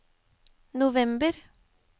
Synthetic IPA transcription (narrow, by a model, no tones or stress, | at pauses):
nʊʋɛmbəɾ